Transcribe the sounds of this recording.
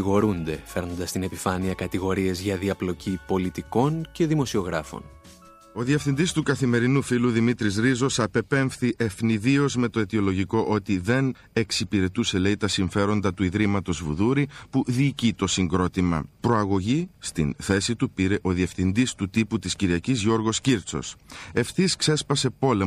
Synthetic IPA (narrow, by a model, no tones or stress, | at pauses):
ɣo̞ɾund̪e̞fe̞ɾnond̪ɐst̪ine̞pifɐniɐkɐt̪iɣo̞ɾie̞zʝɐðiɐplo̞cipo̞lit̪iko̞nce̞ðimo̞sio̞ɣɾɐfo̞̰n | o̞ðie̞fθind̪ist̪ukɐθime̞ɾinufiluðimit̪ɾizɾizo̞sɐpe̞pe̞ɱfθiʔe̞fniðio̞zme̞t̪o̞et̪io̞lo̞ʝiko̞ʔo̞t̪iðe̞n | e̞ksipiɾe̞t̪use̞le̞it̪ɐsiɱfe̞ɾo̞nd̪ɐt̪uiðɾimɐt̪o̞zvuðuɾipuðiːcit̪o̞siŋɡɾo̞t̪imɐ̰pɾo̞ɐɣoʝist̪ḭnθe̞sit̪upiɾe̞ʔo̞ðiefθind̪ist̪ut̪iput̪isciɾiɐcizʝo̞ɾɣo̞sciɾt͡so̞̰se̞fθiskse̞spɐse̞po̞le̞